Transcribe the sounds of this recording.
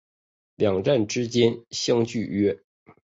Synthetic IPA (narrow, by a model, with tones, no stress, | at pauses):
ljɑ˨˩ŋʈ͡ʂa˥˩nʈ͡ʂɻ̩˥t͡ɕjɛ˥nɕjɑ˥ŋt͡ɕy˥˩ɥɛ˥